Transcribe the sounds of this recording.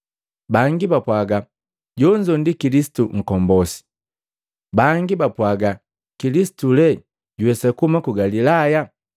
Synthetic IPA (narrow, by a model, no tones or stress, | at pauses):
baŋɡibapwaɡa | ɟɔɲd͡ʒɔndikilisi̥tuŋ̩kɔmbɔsi̥ | baŋɡibapwaɡa | kilisi̥tulɛ | ɟuwɛsakumakuɡalilaja